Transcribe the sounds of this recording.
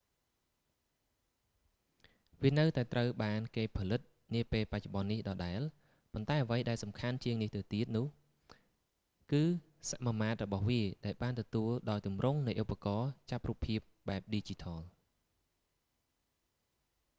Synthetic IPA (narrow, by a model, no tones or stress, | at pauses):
ʋiənɨwt̪aɛt̪rəwɓaːnkeːpʰɑlɨt̪̚ | niəpeːlpac̚t͡ɕŏɓɑnːihɗɑːɗaɛl | pont̪aɛʔəʋəjɗaɛlsɑmkʰant͡ɕiəŋniht̪ɨwt̪iət̪̚nʊ̆əh | kɨː | saʔmamaːt̪̚rɔɓɑhʋiəɗaɛlɓaːnt̪ɔt̪uəlɗaɔjt̪umrʊŋnɨjʔopːakɑːt͡ɕap̚ruːpʰːiəp̚ɓaɛp̚ɗiːt͡ɕit̪ʰɑːl